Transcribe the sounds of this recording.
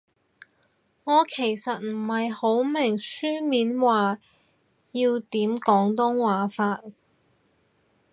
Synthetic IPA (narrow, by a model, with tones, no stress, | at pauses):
ŋɔː˨˧kʰe˨˩jsɐ˨t̚m̩˨˩hɐ˨jho˨˥wmɪ˨˩ŋsyː˥miː˨˥nwaː˨ | jiː˧wt̪iː˨˥mkɔː˨˥ŋt̪ʊ˥ŋwaː˨˥faː˧t̚